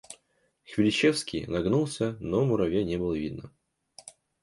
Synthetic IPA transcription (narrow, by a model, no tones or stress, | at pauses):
xvʲɪlʲɪt͡ɕefskʲḭjnɐɡnulˠsʲənomʊɾɐvʲenʲebɨlˠəvʲid̪̚nə